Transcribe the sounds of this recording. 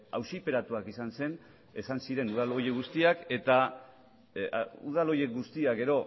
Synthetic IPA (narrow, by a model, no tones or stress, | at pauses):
a̰wsipe̞ɾat̪uakisanse̞n | e̞sansiɾe̞nuð̞alo̞jeɣ̞ust̪iake̞t̪a | ṵð̞alo̞je̞kɡust̪iaɡe̞ɾo̞